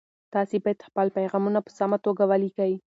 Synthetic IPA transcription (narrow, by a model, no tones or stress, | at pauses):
t̪ɑsebɑjad̪xpalpajɣɑmunapə̥samat̪oɡawalikawi